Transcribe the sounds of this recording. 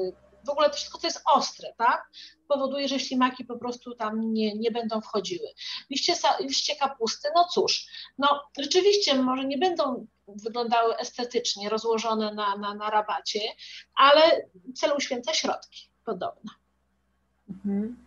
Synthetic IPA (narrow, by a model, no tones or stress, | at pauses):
vɔɡulɛt̪ɔ̥fʂɘ̥st̪̚kɔt̪ɔjɛst̪ɔst̪ɾɛt̪ak̚pɔvɔd̪ujɛʐɛɕlʲimakʲipɔpɾɔst̪ut̪amɲɛɲɛbɛnd̪ɔ̃w̃fxɔd͡ʑiwɘlʲiɕt͡ɕɛsaliʂɕt͡ɕɛkapust̪ɘnɔt̪suʂnɔʐɛt͡ʂɘvʲiɕt͡ɕɛmɔʐɛɲɛbɛnd̪ɔ̃w̃ | vɘɡlɔ̃nd̪awɘʔɛst̪ɛt̪ɘt͡ʂɲɛɾɔzwɔʐɔnɛnananaɾabat͡ɕɛalɛt̪sɛlɛuɕfʲjɛnt̪saɕɾɔ̰t̪kʲi̥ | pɔd̪ɔ̰bna | m̩m̩